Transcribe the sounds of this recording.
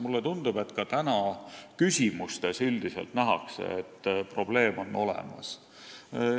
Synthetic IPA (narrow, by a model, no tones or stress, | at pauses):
mulːet̪und̪̥ub̥e̞t̪ːˑkɑt̪ænɑkysʲimust̪e̞syld̪̥iselt̪næɦɑ̰ksḛet̪ːpro̞b̥le̞ːmo̞nːo̞lḛmɑ̰s